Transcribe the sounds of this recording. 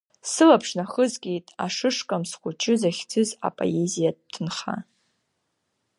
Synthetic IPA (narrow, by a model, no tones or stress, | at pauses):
sɨlapʰʂnaχəzkʲʼejtʼa̰ʂɨʂkʼamsχʷʊt͡ʃʰʼɪzaχʲt͡sʼɨza̰pʼo̰ezijad̚tʰɨnχa̰